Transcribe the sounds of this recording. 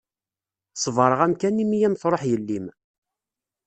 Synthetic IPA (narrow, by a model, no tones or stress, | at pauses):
sˤvəɾˤəʁæmkænimijæmθɾˤoħjəlːim